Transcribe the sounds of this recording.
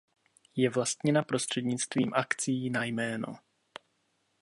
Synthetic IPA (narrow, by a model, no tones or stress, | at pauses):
jɛvlast̪ɲɛnapɾo̞st̪r̝̥ɛdɲɪt͡st̪viːmʔakt͡siːnajmɛːno̰